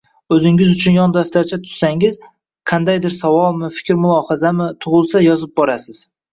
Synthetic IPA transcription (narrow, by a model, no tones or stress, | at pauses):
ɵzɪŋʲɪzʊt͡ʃʰʊnjɒnd̪aft̪ʰaɾt͡ʃʰat̪ʰʊ̥ssaŋɪz | qʰɑnd̪ajd̪ɪɾsavɒlˠmɪfɪ̥kʲɾmʊlˠɒhazamɪt̪ʰʊʁʊlˠsajɒzɪp̚bɒɾasɪz̥